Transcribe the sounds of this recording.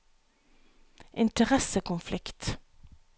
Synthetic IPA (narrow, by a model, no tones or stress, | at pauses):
ʔɪnt̪əʁɛsəkʰʊnflɪkt̪